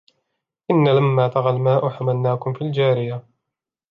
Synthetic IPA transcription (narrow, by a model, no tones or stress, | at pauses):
ʔɪnːalamːaːt̪ɑɣalmaːʔʊħamalnaːkʊmfiːld͡ʒaːɾɪja